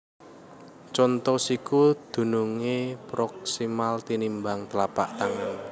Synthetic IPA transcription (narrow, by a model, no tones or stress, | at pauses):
t͡ʃɔnt̪ɔsikud̪̥ṳnuŋepɾɔk̚simalt̪inimbaŋt̪əlapaʔt̪aŋan